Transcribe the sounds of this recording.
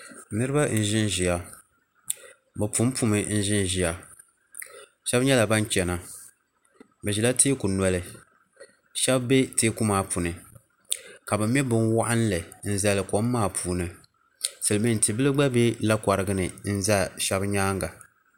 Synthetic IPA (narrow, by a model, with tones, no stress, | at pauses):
nɨ˦ɾɨ˦ba˦n̩˦˨ʒɪ˦nʒi˨ja˨ | bɛ˨pu˦m˦pu˦mɨ˨n̩˦ʒɪ˦nʒi˨ja˨ | ʃɛ˦bɲɛ˦la˨ba˦nt͡ʃɛ˨na˨ | bɛ˨ʒi˨la˦tʰeː˦ku˨nɔ˨lɨ˨ | ʃɛ˦bbe˦teː˦ku˦maː˨pu˨nɨ˨ | ka˨bɛ˨m˦ɛ˦bɨ˨nwa˦ʔa˦n˦lɨ˨n̩˦za˨lɨ˨ko˦mː˦aː˦˨pʰuː˨nɨ˨ | sɨ˨lɨ˨mi˦n˨tɨ˨bɨ˦lɨ˦ɡ͡ba˦be˦la˦ka˨ɾɨ˦ɡɨ˦nɨ˨n̩˦za˦ʃɛ˦bɲaː˦ŋɡa˨